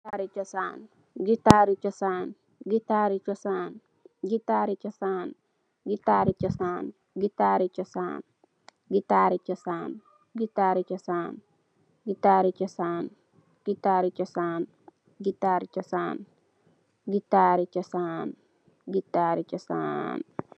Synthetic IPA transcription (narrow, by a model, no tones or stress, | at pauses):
aɾit͡ʃɔsaːn | ɡit̪aːɾit͡ʃɔsaːn | ɡit̪aːɾit͡ʃɔsaːn | ɡit̪aːɾit͡ʃɔsaːn | ɡit̪aːɾit͡ʃɔsaːn | ɡit̪aːɾit͡ʃɔsa̰ːn | ɡit̪aːɾit͡ʃɔsaːn | ɡitaːɾit͡ʃɔsaːn | ɡitaːɾit͡ʃɔsaːn | ɡ̥it̪aːɾit͡ʃɔsaːn | ɡit̪aːɾit͡ʃɔsaːn | ɡitːaːɾit͡ʃɔsaːn | ɡitːaːɾit͡ʃɔsa̰ːn